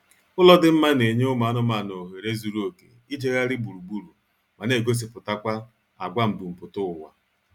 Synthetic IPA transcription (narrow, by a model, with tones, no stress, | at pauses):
ʊ˦lɔ˦dɪ˦m̩˦ma˦ne˨ɲe˦ʊ˦ma˨a˦nʊ˦ma˨no˨ɦe˨ɾe˦zu˨ɾu˦o˨ke˨i˦d͡ʒe˦ɣa˦ɾɪ˦bu˨ɾu˨ɡ͡bu˦ɾu˨ | ma˨ne˨ɡo˦s̬i˨pʊ˨ta˦kʷa˦ | a˨ɡʷa˦m̩˨ɡ͡bu˨m̩˨pʊ˨tʊ˦˨wʷa̰˨